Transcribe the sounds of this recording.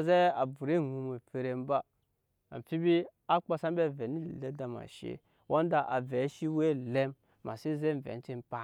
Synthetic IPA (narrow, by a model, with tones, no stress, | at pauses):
ze˦a˨bu˨ɾe˦˨ŋu˨me˨pe˨ɾe˦mba˦ | a̰˨m˨fi˦bi˦ | a˦k͡pa˦sa˦m˦be˦˨ve˨ni˦˨le˦da˨ma̰˨ʃḛ˦ | wʔo˦n˦da˨ʔa˨ve˨˦ʃi˦we˦˨le˦mː | a̰˨se˦ze˦n˨vḛ˨n˦ti˦npa˦˨